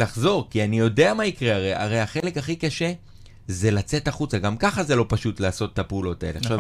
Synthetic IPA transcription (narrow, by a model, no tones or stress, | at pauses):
laχzo̞ʁkianijo̞de̞amaikʁeaʁejʔa̰ʁe̞jhaχe̞le̞kaχikaʃe̞ | ze̞lat͡se̞taχut͡saɡamkaχaze̞lo̞paʃutlaːso̞tːapeulo̞tae̞leaχʃav